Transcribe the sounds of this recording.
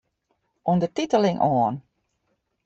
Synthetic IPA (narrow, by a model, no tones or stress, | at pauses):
uəndətitəlɪŋʔɔːn